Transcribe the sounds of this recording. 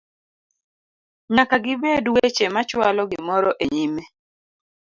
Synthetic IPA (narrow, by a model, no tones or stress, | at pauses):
ɲakaɡɪbedwet͡ʃemat͡ʃwalɔɡɪmɔɾɔʔeɲime